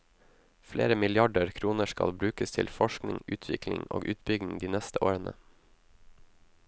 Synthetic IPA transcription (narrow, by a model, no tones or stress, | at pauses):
fleːɾəmɪlɪɑɖəɾkʰɾuːnəʃkɑlbɾʉːkəst̪ʰɪlfɔʃknɪŋʉːt̪ʰʋɪklɪŋʔo̰ːɡʔʉːt̪bʏɡ̪ɪŋd̪iːnɛst̪əʔoːɾənə̰